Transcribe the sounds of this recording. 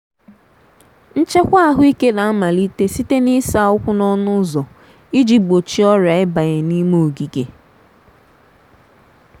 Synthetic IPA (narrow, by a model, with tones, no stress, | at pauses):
n̩˦t͡ʃe˦kʷa˦a˦˨ɦʊ˦i˦ke˦la˨˦ma˨li˦te˦si˦te˦ni˦sa˦˨˦ʊ˦kʷʊ˦nɔ˦nʊ˦zɔ˨ | i˦d͡ʒi˨ɡ͡bo˨t͡ʃi˦ɔ˦ɾa˨ɪ˦ba˨ɣe˨ni˦mo˦o˨ɡi˨ke˨